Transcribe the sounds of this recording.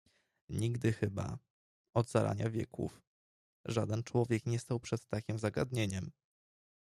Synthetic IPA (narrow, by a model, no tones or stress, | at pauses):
ɲiɡd̪ɘxɘba̰ | ɔd̪zaɾʔa̰ɲavʲjɛ̰kṵf | ʐad̪ɛnt͡ʂwɔvʲjɛkɲɛst̪awpʂɛt̪ːakʲimzaɡad̪ɲeɲɛm